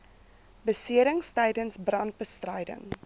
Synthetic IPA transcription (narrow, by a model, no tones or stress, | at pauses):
bəsiəɾəŋstəjdənsbrɐnt̚bəstrəjdə̰ŋ